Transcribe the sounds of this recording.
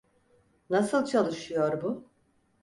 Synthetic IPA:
nasɯlˠt͡ʃʰalˠɯʃɯjoɾbʊ

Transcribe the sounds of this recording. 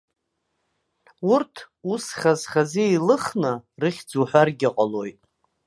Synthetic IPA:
urtʰ | usχazχazeilɨχnɨrɨχʲd͡zuħʷᶣarɡʲaqʼalojtʼ

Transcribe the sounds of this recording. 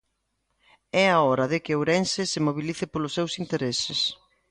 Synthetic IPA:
ɛaɔɾɐðɪkɪowɾɛnsɪsɪmoβiliθɪpolʊsːewsint̪eɾesɪs

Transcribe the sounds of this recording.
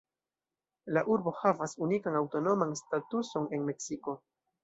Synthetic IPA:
laʔuɾbo̞havasunikanawto̞no̞manstatuso̞ne̞nme̞ksiko̞

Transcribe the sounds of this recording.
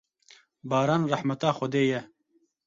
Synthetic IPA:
baːɾaːnrɐħmɐt̪aːxɔd̪eːje

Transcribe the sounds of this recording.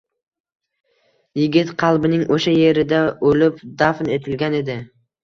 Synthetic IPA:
jɪɡʲɪt̪qʰɑlˠbɪnɪŋʔoʃaje̞ɾɪd̪aolɪpd̪afnet̪ʰɪlɡʲane̞d̪ɪ

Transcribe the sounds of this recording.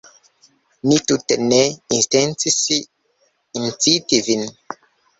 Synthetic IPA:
nituteneinstent͡sisi | int͡sitivin

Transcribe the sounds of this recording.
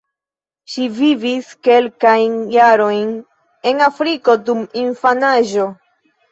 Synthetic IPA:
ʃiviviske̞lkajnjaɾo̞jn | e̞nafɾiko̞dumiɱfanaʒo̞

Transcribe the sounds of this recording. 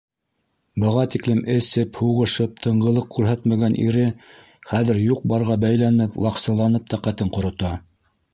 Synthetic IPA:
bɤ̆ʁɑt̪iklɘmʔɘ̆sɘphuʁɤ̆ʃɤp̚t̪ʰɤ̆ɴɢɤ̆lˠɤq̚kʉɾɦæt̪mæɡænʔḭɾɘ | χæðɘ̆ɾjuq̚bɑɾʁɑbæjlænɘpwʔɑqsɤ̆lˠɑnɤp̚t̪ɑqæt̪ɘɴqŏɾŏt̪ɑ

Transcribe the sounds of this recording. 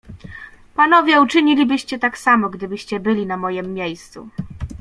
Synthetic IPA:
panɔvʲjɛut͡ʂɘɲilʲibɘɕt͡ɕɛt̪aksamɔɡd̪ɘbɘɕt͡ɕɛbɘlʲinamɔjɛmːʲjejst̪sṵ

